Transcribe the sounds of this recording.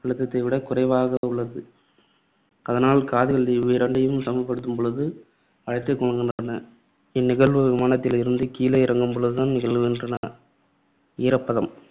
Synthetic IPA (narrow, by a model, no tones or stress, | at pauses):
pɪɻɯt̪ːɐt̪ːɐɪʋɪɽɐkʊrɐɪʋaːɣɐʊɭːɐðɯ | ɐðɐnaːlkaːðɯɣɐɭiʋiɾɐɳɖɐjɯmsɐmɐʋpːɐɽɯt̪ːɯmpɔɭɯðɯ | ɐɻɐɪt̪ːɐkːɔɻɐŋɡɪndrɐnɐ | ɪnːɪɣɐɭʋɯʋɪmaːnɐt̪ːɪlɪɾɯnd̪ɯkiːlɐɪɪɾɐŋɡɯmpɔɭɯðɯt̪aːnnɪɣɐɭʋɯɪndrɐnɐ | iːɾɐpːɐðɐm